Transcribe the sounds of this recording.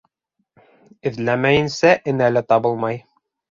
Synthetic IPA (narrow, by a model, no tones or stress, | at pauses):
ɘ̆ðlæmæjɘ̆nsæʔɘ̆nælɘt̪ɒbɤlˠmɑj